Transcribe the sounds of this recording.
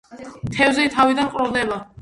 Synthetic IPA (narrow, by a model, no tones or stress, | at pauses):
t̪ʰɛvzɛt̪ʰavid̪anqʼɾɔvd̪ɛba